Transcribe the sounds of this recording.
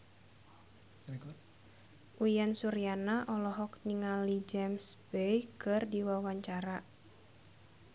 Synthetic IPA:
ʔujansuɾianaʔɔlɔɦɔk̚niŋalid͡ʒɛmsbejkɨrdiwawaɲt͡ʃaɾa

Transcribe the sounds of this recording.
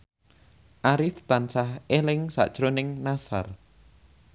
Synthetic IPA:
ʔaɾɪft̪ansahʔelɪŋsa̰ʔd̥ʒ̥ɾonɪŋnasa̰r

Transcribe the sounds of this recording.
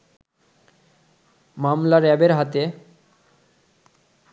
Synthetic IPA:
mamlaɾɛbeɾɦat̪e

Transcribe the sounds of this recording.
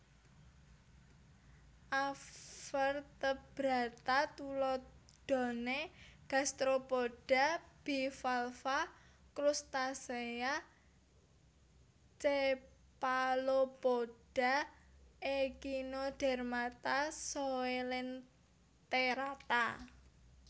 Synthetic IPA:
ʔafərt̪əb̥ɾa̤t̪at̪ulɔ | d̪̥ɔ̤neɡ̥a̤st̪ɾopoɖ̥a̤b̥ifalfakɾust̪asea | t͡ʃe | palopoɖ̥a̤ʔekinod̥ɛ̤rmat̪asoelɪn | t̪eɾat̪a̰

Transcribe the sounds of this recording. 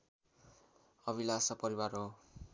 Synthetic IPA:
ʌβilasʌpʌɾiwarɦo

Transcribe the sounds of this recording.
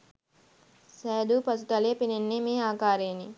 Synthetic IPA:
sɛːd̪upɐsut̪ɐlepinenːemiːaːkaːɾeːni

